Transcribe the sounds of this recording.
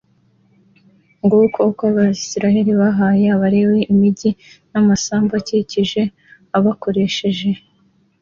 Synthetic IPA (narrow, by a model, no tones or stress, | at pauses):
ŋɡukokaβasiɾaheɾiβaɦaːjeaβaɾe̞weʔimiɟinamasaːmbaciciʒe̞ | aβako̞ɾe̞ʃe̞ʒe̞